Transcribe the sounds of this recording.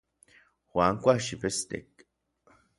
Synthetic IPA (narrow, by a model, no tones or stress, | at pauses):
xwaːŋkʷaʃipest̪ḛk̚